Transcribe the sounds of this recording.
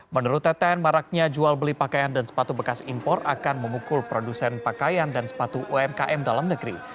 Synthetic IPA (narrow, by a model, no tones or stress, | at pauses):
mənuɾʊt̪ːɛt̪ɛnmaɾak̚ɲad͡ʒualbəlipakajandansə̥pat̪ubəkasimpɔrakanməmukʊlpɾodusɛnpakajandansə̥pat̪uʔuɛmkaʔɛmdalamnəɡɾḭ